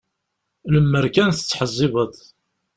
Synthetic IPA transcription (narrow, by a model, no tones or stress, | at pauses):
ləmːəɾkænθə̥t͡sːħəzˤːiβəðˤ